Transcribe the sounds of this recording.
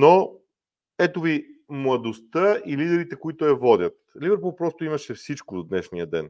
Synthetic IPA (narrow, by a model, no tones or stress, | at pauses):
no | ɛt̪ovimlˠɐd̪ost̪əilid̪ɛɾit̪ɛkoit̪ʊɐvɔd̪ʲət̪livɛɾpulˠpɾɔst̪oimɐʃɛfsit͡ʃkod̪od̪nɛʃnijəd̪ɛ̰n